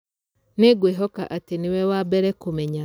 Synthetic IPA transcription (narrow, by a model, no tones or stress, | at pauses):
neɡweɦɔka̰ʔatenewɛwabɛɾɛkomɛɲa